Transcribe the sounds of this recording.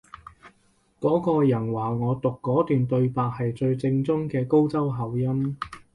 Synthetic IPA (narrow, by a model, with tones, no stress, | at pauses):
kɔː˨˥kɔː˧jɐ˨˩nwaː˨˩ŋɔː˨˧t̪ʊ˨kːɔː˨˥t̪yː˨nt̪ɵ˧ɥpaː˨k̚hɐ˨jt͡sɵ˧ɥt͡sɪ˧ŋt͡sʊ˥ŋkɛː˧ko˥wt͡sɐ˥wɦɐ˨˩wjɐ˥m